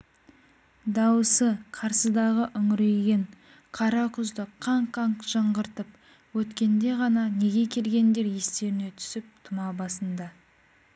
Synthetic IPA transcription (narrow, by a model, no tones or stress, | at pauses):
d̪ɑwəsəqʰɑɾsəd̪ɑʁəʔʏŋɪɾejɡʲe̞ɴ | qʰɑɾɑqʰʏzd̪əqʰːɑɴqʰɑɴʒəɴʁəɾt̪əp̚ | wɵt̪kʲe̞nd̪e̞ʁɑnɑne̞ɡʲe̞kʲʰe̞lɡʲe̞nd̪e̞ɾje̞st̪e̞ɾɪne̞t̪ʰʏ̥sɪp̚t̪ʰʊmɑbɑsənd̪ɑ